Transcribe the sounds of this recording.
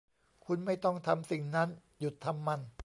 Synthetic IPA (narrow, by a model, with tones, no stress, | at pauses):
kʰu˧nma˥˩jt̪ɔ˥˩ŋt̪ʰa˧msi˨˩ŋna˦˥n | ju˨˩t̪ʰːa˧mːa˧n